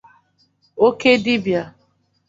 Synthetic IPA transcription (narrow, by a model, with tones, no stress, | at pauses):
o˦ke˦di˦bja˨